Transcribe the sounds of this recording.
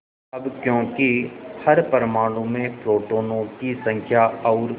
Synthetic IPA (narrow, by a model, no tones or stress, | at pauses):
ɐbkjõːkihɐɾpəɾmaːɽ̃ũmẽpɾoːʈoːnõːʈisɐ̃ŋkʰjaɔːɾ